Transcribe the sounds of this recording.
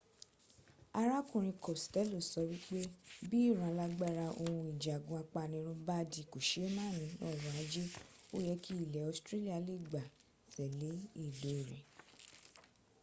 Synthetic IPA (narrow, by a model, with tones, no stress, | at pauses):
a˧ɾa˦kũ˨ɾ̃ĩ˧kɔ˨stɛ˦lo˨sɔ˧wi˦k͡pe˦bi˦i˦˨ɾ̃ã˨˦˧la˦ɡ͡ba˦ɾa˧ʔo˧hũ˧i˨d͡ʒa˨ɡũ˨˧a˧k͡pa˧˨nĩ˧˦ɾ̃ũ˦ba˦di˧˨ko˨ʃe˨˦mãː˦˨nĩ˧˦nɔ˦˨wɔ̃˨a˨˦d͡ʒe˦o˦jɛ˧ki˦i˦˨lɛ˨ɔ˧stɾe˦li˦a˨˧˨le˦˨ɡ͡ba˨ | sɛ˨le˨˦i˦˨do˨˦i˨ɾɛ˨